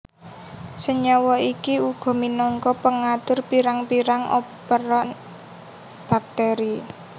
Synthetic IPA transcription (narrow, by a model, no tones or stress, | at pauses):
səɲɔwɔikiuɡ̥ɔ̤minɔŋkɔpəŋat̪ʊrpiɾaŋpiɾaŋʔɔ̰ | pəɾɔn | b̥a̤k̚t̪ɛɾi